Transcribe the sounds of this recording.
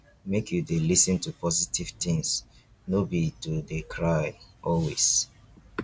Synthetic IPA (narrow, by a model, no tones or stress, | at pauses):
mekʰjudelisə̃ntupʰɔzitʰiv̥tĩŋs | nobitudekʰɹaɪʔɔlwez̥